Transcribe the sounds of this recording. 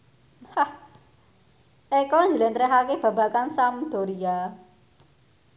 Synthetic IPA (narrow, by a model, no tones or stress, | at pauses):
hah | ʔɛkɔɲd͡ʒəlɛnt̪ɾɛɦakeb̥ä̤b̥a̤kansamd̪̥o̤ɾia